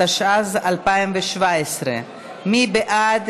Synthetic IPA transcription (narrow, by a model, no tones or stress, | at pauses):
aʃazalpaɪmveʃvaesɾḛ | mibɛʔad̪